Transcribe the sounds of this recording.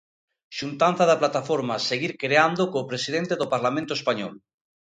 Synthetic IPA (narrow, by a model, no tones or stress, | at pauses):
ʃunt̪an̟θaðaplat̪afoɾmaseɣiɾkɾeand̪okoːpɾesið̞ent̪eðopaɾlamẽnt̪oespaɲɔ̰l